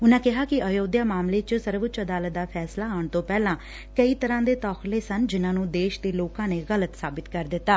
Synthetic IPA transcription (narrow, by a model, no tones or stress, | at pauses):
ʊnãːkɪɦaːkɪəjoːd̪jaːmaːmleːt͡ʃsəɾʋət͡ʃəd̪aːlət̪̚d̪aːpʰɛːslaːaːɳt̪õːpɛːlãː | kəiːt̪əɾãːd̪eːt̪ɔːxleːsənd͡ʒɪnãːnũːd̪eːʃd̪eːloːkãːneːɣələt̪saːbɪt̪kəɾd̪ɪt̪ːaː